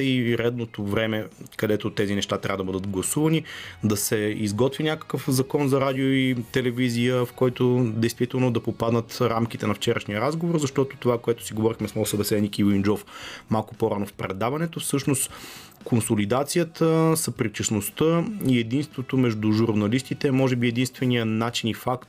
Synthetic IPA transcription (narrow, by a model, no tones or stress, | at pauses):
iɾɛd̪not̪ovɾɛmɛkɐd̪ɛt̪ot̪ɛzinɛʃt̪at̪ɾʲavəd̪əbɤd̪ət̪ɡlˠɐsuvɐnid̪ɐsɛizɡɔt̪vinʲakə̥kəfzɐkɔnzɐɾad̪ioit̪ɛlɛvizijəfkɔjt̪od̪ɛjst̪vit̪ɛlˠnod̪ɐpopad̪nət̪ɾamkit̪ɛnɐft͡ʃɛɾəʃnijəɾazɡovoɾzɐʃt̪ɔt̪o̥t̪ovakoɛt̪ʊ̥siɡovɔɾixmɛsmɔɡsɐbɛsɛd̪nikiwind͡ʒɔfmalˠkʊpoɾanofpɾɛd̪avɐnɛt̪ofsɤʃnost̪ | kʰonsolid̪at̪sijət̪əsɐpɾit͡ʃəsnost̪əiɛd̪inst̪vot̪omɛʒd̪ʊʒuɾnɐlist̪it̪ɛmɔʒɛbiɛd̪inst̪vɛnijənat͡ʃinifak̚t̪